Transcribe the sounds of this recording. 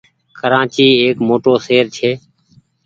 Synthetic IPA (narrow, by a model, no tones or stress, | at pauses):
kəɾãːt͡ʃiːeːkmoːʈoːseːɾt͡ʃʰeː